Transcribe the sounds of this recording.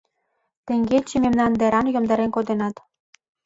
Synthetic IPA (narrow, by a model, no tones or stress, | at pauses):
t̪ĕŋɡet͡ɕĕmemnɑnd̪eɾɑnjŏmd̪ɑɾenkod̪enɑt̪